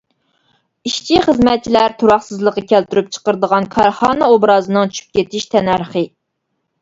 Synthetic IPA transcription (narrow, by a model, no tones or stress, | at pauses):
iʃt͡ʃʰiχəzmɛt̪̚t͡ʃʰilæɾt̪ʰuɾɑχsɨzlˠəqːɑkʲʰælt̪yɾyp̚t͡ʃʰə̥qəɾd̪əʁɑnkʰɑɾχɑːnɑobɾɑːzɨnɨŋt͡ʃʰy̥ʃy̥p̚kʲet̪ʰiʃt̪ʰɛnæɾχə